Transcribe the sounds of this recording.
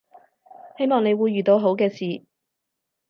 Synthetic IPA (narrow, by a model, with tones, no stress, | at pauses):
he˥jmɔː˨ŋne˨˧jwuː˨˧jɥyː˨˩t̪o˨˧wɦo˨˥wkɛː˧siː˨